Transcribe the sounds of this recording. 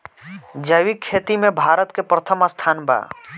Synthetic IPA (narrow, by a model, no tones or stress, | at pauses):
d͡ʒəʋikʰːeːt̪imẽbʱaːɾət̪kepɾət̪ʰəmast̪ʰaːnba̰ː